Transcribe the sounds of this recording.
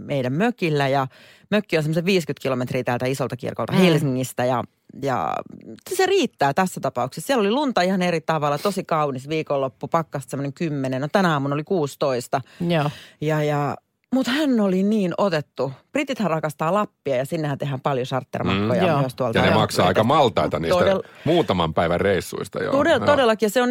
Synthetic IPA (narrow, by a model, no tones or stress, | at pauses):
meidæmmøkilːæjɑ | møkːionsemːoseʋʋiːskyt̪kilomet̪riːt̪æːlt̪æisolt̪ɑkḭrkolt̪ɑhelsiŋːist̪æjɑ̰ | jɑ̰ | seriːt̪ːæːt̪æsːæt̪ɑpɑuksessiælolilunt̪ɑihɑnerit̪ɑʋɑlːˑɑt̪osikɑunisʋiːkolːopːupɑkːɑst̪semːoneŋkymːenenot̪ænæɑːmunolikuːst̪oist̪ɑ | jɑjɑ | mut̪hænːoliniːnot̪et̪ːuprit̪it̪hærrɑkɑst̪ɑːlɑpːiɑjɑsinːehænt̪ehæmpɑljosɑrt̪ːḛrmɑ̰kːojɑmyøst̪uɑltɑɑnemɑksɑɑikkɑmɑlt̪ɑit̪ɑniːtsot̪æelmuːt̪ɑmɑmpæiʋærreisːṵist̪ɑ̰jo̰t̪odet̪odelːɑkijɑseon